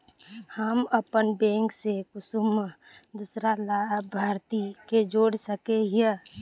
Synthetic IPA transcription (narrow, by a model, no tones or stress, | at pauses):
həməpənbẽːŋksekʊsum | d̪usɾalaːbʱaːɾt̪iked͡ʒoːɽsəkeɦiə